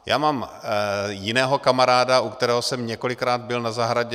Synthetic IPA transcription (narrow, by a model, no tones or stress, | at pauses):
ja̰ːmaːm | jɪnɛːɦo̞kamaɾaːdaʔukt̪ɛɾɛːɦosɛmɲɛko̞lɪkɾaːd̪̚bɪlnazaɦɾaɟɛ